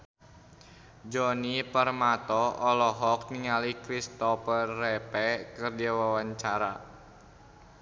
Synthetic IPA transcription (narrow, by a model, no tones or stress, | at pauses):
d͡ʒɔnipərmat̪ɔɔlɔɦɔk̚niŋalikɾist̪ɔfərːɛpɛkərdiawawaɲt͡ʃaɾa̰